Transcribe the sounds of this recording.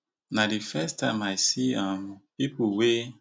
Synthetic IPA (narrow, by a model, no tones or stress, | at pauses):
nadifɛstamajsiampipuwe